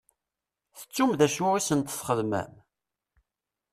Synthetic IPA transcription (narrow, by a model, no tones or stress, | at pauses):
θə̥t͡sːumðæʃʊisənt̪θχəðmæ̰m